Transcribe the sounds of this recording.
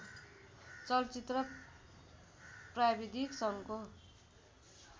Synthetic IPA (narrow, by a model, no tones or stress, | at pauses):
t͡sʌlt͡sit̪rʌ | prabid̪ʱiksʌnko